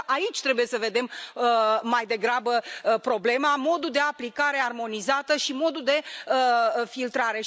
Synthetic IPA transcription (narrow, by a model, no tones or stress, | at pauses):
ʔait͡ʃʲt̪ɾe̞buje̞səve̞d̪e̞m | majd̪e̞ɡɾabəpɾo̞ble̞mamo̞d̪uld̪e̞aplikaɾe̞armo̞nizat̪əʃimo̞d̪ud̪e̞əfilt̪ɾaɾe̞